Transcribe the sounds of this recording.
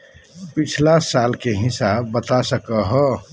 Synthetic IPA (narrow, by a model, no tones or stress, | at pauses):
pit͡ʃʰlasalkeɦɪsabbət̪asəkəɦə